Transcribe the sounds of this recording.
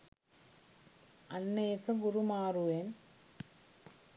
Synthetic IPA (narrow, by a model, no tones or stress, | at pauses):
ɐnːeːsɐɡuɾumaːruʋeːn